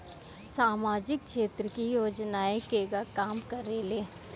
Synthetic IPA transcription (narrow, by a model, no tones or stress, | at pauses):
saːmaːd͡ʒɪk̚ʃeːt̪ɾəkijoːd͡ʒnaːekeɡakaːmkɐɾeːleː